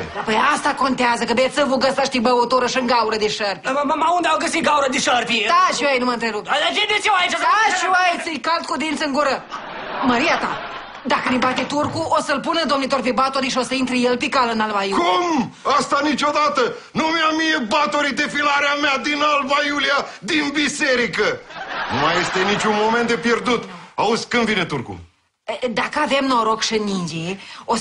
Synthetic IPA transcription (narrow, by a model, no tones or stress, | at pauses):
apojast̪ako̞nt̪eazəkəbet̪səvoɡəsaʃt̪ibəvot̪oɾəʃɨŋɡauɾəd̪eʃərpiamamaund̪eawɡəsit̪̚ɡawuɾəd̪eʃərpit̪aʃuajnuməɨnt̪ɾeɾup̪̚at͡ʃed̪esiwait͡ʃaaʃuajsɨjkalt̪̚kud̪int̪səɨŋɡuɾə | məɾiat̪a | d̪akənebat̪et̪urkuʔosəlpunəd̪o̞mnit̪orpebat̪oɾiʃio̞səint̪ɾejelpekalənalvajukum | ast̪anit͡ʃo̞d̪at̪ə | numeamije̞bat̪oɾid̪efilaɾeamead̪inalbajuliad̪inbise̞ɾikənumaje̞st̪e̞nit͡ʃʲunmo̞ment̪̚d̪epje̞rd̪ut̪auzʲkɨnd̪vine̞t̪urkṵ | d̪akəave̞mnoɾokʃɨnind͡ʒio